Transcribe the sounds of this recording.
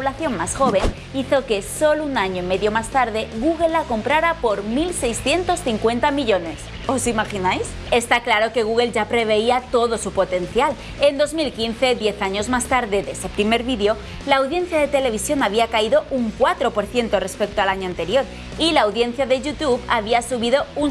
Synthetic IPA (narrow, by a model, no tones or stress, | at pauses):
poβlaθjo̞nmasxo̞βe̞n | iθo̞ke̞solounaɲoime̞ðjo̞mast̪aɾðe̞ɣuɣ̞e̞lːako̞mpɾaɾapo̞ɾmilse̞jsθje̞nt̪o̞sθiŋkwe̞nt̪amiʎo̞ne̞s | o̞simaxinajs | e̞st̪aklaɾo̞ke̞ɣ̞uɣe̞lʝapɾe̞β̞e̞iat̪o̞ðo̞supo̞t̪e̞n̟θjal | e̞nd̪o̞zmilkinθe̞ðje̞θaɲo̞zmast̪aɾðe̞ðe̞sepɾime̞ɾβiðjo̞ | laːwðje̞n̟θjaðe̞t̪e̞le̞β̞isjo̞naβiakaiðo̞ʔuŋkwat̪ɾo̞po̞ɾθje̞nt̪o̞re̞spe̞k̚t̪oalaɲoãnt̪e̞ɾjo̞ɾ | ilaːwðje̞n̟θjaðe̞ʝut̪uβaβ̞iasuβiðo̞un